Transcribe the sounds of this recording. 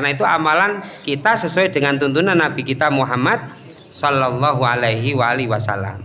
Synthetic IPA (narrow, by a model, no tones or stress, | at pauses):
kanait̪uamalankit̪asəswɛd̥əŋant̪unt̪̬unanːab̥i̤kit̪amuɦamad̪̚ | sɔlːalːɔɦualajɦiwaaliwasa̰la̰m